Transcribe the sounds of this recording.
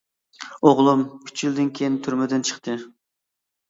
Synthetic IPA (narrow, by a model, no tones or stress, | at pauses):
oʁlˠumkʲʰy̥t͡ʃʰild̪ɪnkʲʰejint̪ʰyɾmɪd̪ɪnt͡ʃʰə̥χt̪ʰɨ